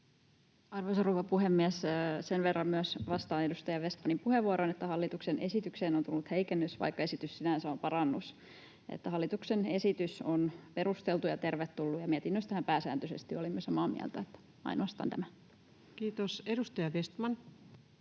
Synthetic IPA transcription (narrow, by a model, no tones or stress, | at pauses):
ɑrʋoisɑruːʋɑpuhemːiɛssenʋerːɑmmyøsʋɑst̪ɑːedust̪ɑjɑʋest̪mɑnimpuheʋːuoɾonet̪ːæhɑlːit̪uksenʔe̞sit̪ykseːnont̪ulːut̪heikenːøsʋɑ̰jkːɑe̞sit̪yssinænsæompɑɾɑnːus | ḛt̪ːæhɑlːit̪uksene̞sit̪ysonpeɾust̪elt̪ujɑt̪e̞rʋet̪ːulːujɑmiɛt̪inːøst̪æhæmpæːsæ̰ːnt̪øsest̪iolimːyøsɑmɑːmḭæ̰lt̪æet̪ːæ̥ | ɑ̰jnoɑst̪ɑ̰nt̪æmæ | kiːt̪osedust̪ɑjɑʋest̪mɑn